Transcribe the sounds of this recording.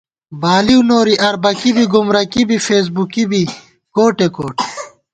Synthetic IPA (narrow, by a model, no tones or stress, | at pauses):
baːliunoːɾiʔɐɾbɐkibiɡumɾɐkibifeːs̬bukibi | koːʈekoːʈe